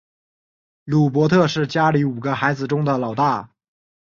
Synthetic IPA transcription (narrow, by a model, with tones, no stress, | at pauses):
lu˨˩p̬wɔ˧˥t̪ʰɤ˥˧ʂɻ̩˥˩t͡ɕja˥li˧˥u˨˩ɡə˦xa˧˥ɪd͡zɹ̩˨˧ʈ͡ʂʊ˥ŋd̪ə˨lɑ˨˩ʊt̪a˥˩